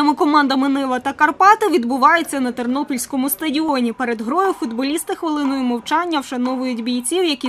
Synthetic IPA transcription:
ɪmɪkɔmɑnd̪ɐmɪnɪʋɐt̪ɐkɐrpɑt̪ɪʋʲid̪bʊʋɑjʊt͡sʲːɐnɐt̪ernɔpʲilʲsʲkɔmʊst̪ɐdʲiɔnʲipɛɾed̪ɦɾɔjʊfʊd̪bɔlʲist̪ɪxʋɪlˠɪnɔjʊmɔwt͡ʃɑnʲːɐwʃɐnɔʋʊjʊtʲbʲijt͡sʲiwjɐkʲi

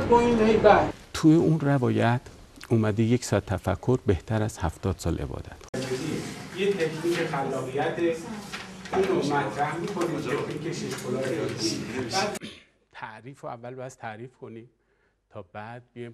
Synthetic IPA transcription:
bɔĩnhejbæt̪ʰuːjeunrævɒːjæt̪ʰ | uːmæd̪ijecʰsɒːt̪ʰːæfækʰːoɾbeht̪ʰæɾæz̥hæft̪ɒːd̪̥sɒːlʔe̞̰bɒ̰d̪̥æt̪ʰd͡ʒedijet̪ʰekʰniːkʰexælːɒːɣijæt̪ʰe | ʔuːnomæt̪ʰɾæhmikʰo̞niːekʰnikʰeʃiʃkʰolɒːɾeeibæd̪ | t̪ʰæʔɾiːfoævːælbæst̪ʰæɾiːfkʰoniːm | t̪ʰɒːbæd̪̥̚bijm

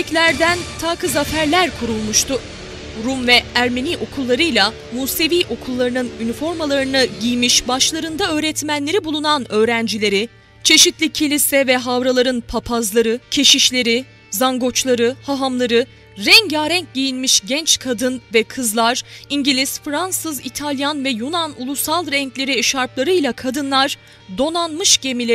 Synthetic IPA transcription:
ɛclʲæɾd̪ænt̪ʰaːkʰɯzafæɾlʲæɾkʰuɾulˠmuʃt̪ʰʊ | ɾumvɛæɾme̞niːʔo̞kʰulˠːaɾɯjlˠa | muːse̞viːʔo̞kʰulˠːaɾɯnɯnynifo̞ɾmalˠaɾɯnaɟijmiʃbaʃlˠaɾɯnd̪aø̞ːɾɛt̪mænlːʲe̞ɾibulˠunanø̞ːɾænd͡ʒilʲe̞ɾi | t͡ʃʰe̞ʃit̪lʲicʰelʲisɛvɛɦavɾalˠaɾɯnpʰapʰazlˠaɾɯcʰe̞ʃiʃlʲe̞ɾi | zaŋɡo̞t͡ʃlˠaɾɯhaɦamlˠaɾɯ | ɾɛɲɟaːɾɛɲc̚ɟijilʲmiʃɟɛnt͡ʃkʰad̪ɯnvɛkʰɯzlˠaɾ̥iɲɟilʲizfɾansɯzit̪ʰalʲjanvɛjunanulˠusalˠɾɛɲclʲe̞ɾiʃaɾplˠaɾɯjlʲˠakʰad̪ɯnlˠaɾ | d̪o̞nanmɯʃɟe̞milʲe

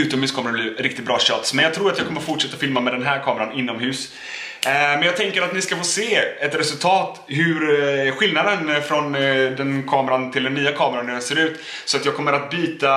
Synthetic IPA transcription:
ʉ̟ːt̪ɔmhʉːskʰɔmɾbliːɾɪk̚t̪ɪt̪̚bɾɑːɕœːt̪smɛnjɑɡt̪ʰɾuːɾat̪jɑɡkʰɔmːəɾfʊʈʂɛt̪ːafɪlmamɛd̪ɛnɦæːɾkʰɑːmɛɾanɪnːɔmɦʉ̟ːs | mɛnjɑːt̪ʰɛŋkəɾat̪nɪskafoːseːɛt̪ɾɛsɵlt̪ʰɑːt̪ɦʉɾɧɪlnad̪ənfɾɔnd̪ɛnkʰɑːmɛɾant̪ʰɪld̪ɛnːyːakʰɑːmɛɾanːæɖɛseːɾʉ̟ːt̪ | sɔat̪jɑːɡ̚kʰɔmːəɾat̪̚byːt̪a

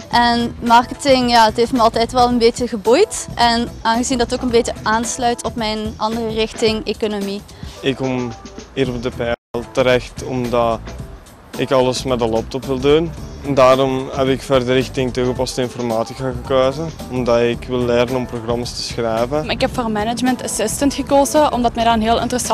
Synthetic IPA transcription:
ʔɛnmɑrkətɪŋjaːətɦeftmɛɑlˠtɛjtʋɛlˠənbeːtəɣəbujtʔɛnaːnɣəzindɑtoːkənbeːtəʔaːnslœɥtʰɔpmɛjnɑndərərɪxtɪŋekonomi | ɪkɔmiːɾɔp̚dəpɛːlˠtəɾɛxtɔmdɑ | ɪkɑləsmɛdəlɔp̚tɔpʋɪlˠdundaːɾɔmɦɛpɪkfɛrdəɾɪxtɪŋtuɣəpɑstəɪnfɔrmaːtikaɣəkøːzə | ɔmdɑɪkʋɪlˠːɪrdənɔmproɣrɑmastə̥sxrɛːvəɪkɦɛpfoːrmɛnəd͡ʒməntasɪstəntxəkoːzəʔɔmdɑtmɛdɑənɦɪːlˠɪ̰ntərəs

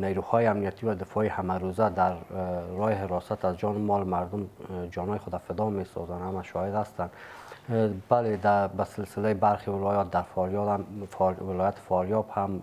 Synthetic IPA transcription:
nejɾuhɔiamnijat̪ʰivad̪ɪfɔihamaɾuzad̪aɾːɔhihɪɾɔsat̪azd͡ʒɔnɪmɔlmaɾd̪umd͡ʒɔnɔjiχʊd̪afɪd̪ɔmesɔ̰zanhamaʃɔhid̪hast̪an | baled̪abasɪlsɪlaibaɾχivɪlɔjɔt̪̚d̪aɾfɔɾjɔd̪amvɪlɔjat̪ʰi̥fɒɾjɔbham

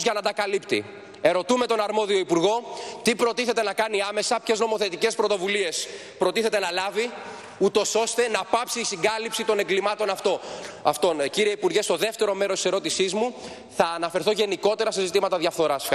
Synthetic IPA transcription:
zʝɐnɐd̪ɐkɐlipt̪i | e̞ɾo̞t̪ume̞t̪o̞nɐɾmo̞ðio̞ipuɾɣo̞t̪ipɾo̞t̪iθe̞t̪e̞nɐkɐniɐme̞sɐpçe̞zno̞mo̞θe̞t̪ice̞spɾo̞t̪o̞vulie̞s | pɾo̞t̪iθe̞t̪e̞nɐlɐvi | ut̪o̞so̞st̪e̞nɐpɐpsiːsiŋɡɐlipsit̪o̞ne̞ŋɡlimɐt̪o̞nɐft̪o̞ɐft̪o̞nciɾie̞ipuɾʝe̞st̪o̞ðe̞ft̪e̞ɾo̞me̞ɾost̪i̥se̞ɾo̞t̪isizmu | θɐːnɐfe̞ɾθo̞ʝe̞niko̞t̪e̞ɾɐse̞zit̪imɐt̪ɐðjɐfθo̞ɾɐsf

